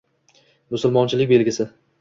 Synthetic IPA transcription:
mʊsʊlˠmɒnt͡ʃʰɪlɪkʲbe̞lɡʲɪsɪ

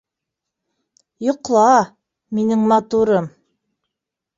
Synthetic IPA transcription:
jŏqlˠɑ | minɘŋmɑt̪uɾɤm

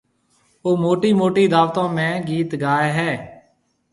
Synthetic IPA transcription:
oːmoːʈiːmoːʈiːd̪aːʋt̪ãːmɛ̃ːɡiːt̪ɡaːeːɦɛː

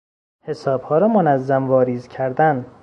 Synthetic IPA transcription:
he̞sɒːb̥hɒːɾɒːmonæzːæmvɒːɾiːzcʰæɾd̪æn

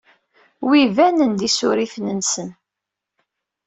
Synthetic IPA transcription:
wivænənd̪isʊ̰ɾiθnənsən

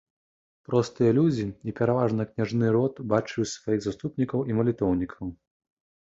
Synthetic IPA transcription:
pɾɔst̪ɨjɐlʲud͡zʲiipʲɛɾavaʐnɐknʲaʐnɨɾɔt̪bat͡ʂɨusvajiɣzast̪upnʲikɐwʔimɐlʲit̪ɔwnʲikʰɐw

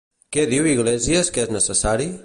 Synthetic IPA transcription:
kɛðiwiɣ̞lɛziəskeznəsəsaɾi

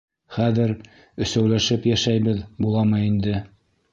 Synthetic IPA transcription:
χæðɘɾ | ɵ̆sæwlæʃɘpjæʃæjβɘðbulˠɑmɤind̪ɘ

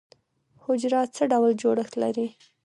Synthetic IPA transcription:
hʊd͡ʒɾɑt̪̚t͡səɖawld͡ʒoɽəxt̪laɾi

